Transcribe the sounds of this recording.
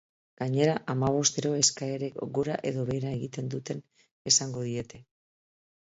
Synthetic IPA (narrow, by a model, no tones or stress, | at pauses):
ɡ̥aɲe̞ɾaʔamaβ̞o̞st̪e̞ɾo̞e̞skaeɾe̞kɡuɾa̰ʔe̞ðo̞βe̞ɾae̞ɣit̪e̞nd̪ut̪e̞n | e̞saŋɡo̞ðie̞t̪e̞